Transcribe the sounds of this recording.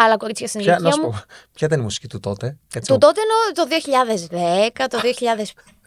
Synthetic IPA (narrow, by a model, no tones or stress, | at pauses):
ɐlɐkoɾit͡sçɐsinðnɐɐmuopçɐit̪ɐnimusi̥cit̪ut̪ot̪eet̪ut̪ot̪eːnot̪oðioçiʎɐðezðekɐt̪oðioçiʎɐðes